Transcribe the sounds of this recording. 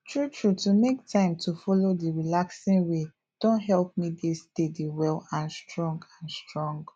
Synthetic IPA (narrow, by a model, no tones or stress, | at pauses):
tʰɹutʰɹutumektʰãɪ̃mtʰufɔlodiɹilaksĩnwe | d̥õntɦɛlp̚midestediwɛlãnstɹɔ̃ŋɡãnstɹɔ̃ŋɡ